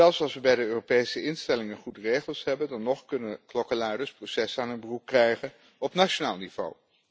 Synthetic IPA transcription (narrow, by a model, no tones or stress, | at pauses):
ɛlˠfsɑlˠsʋəbɛjdəøːropejsəɪnstɛlɪŋənχudərejχəlˠsɦɛbəndɑnːɔχkɵnəklɔkəlaːdəsprowsɛsaːnɦənbərup̚krɛjχən | ɔpnaʃonaːlˠniv̥o̰w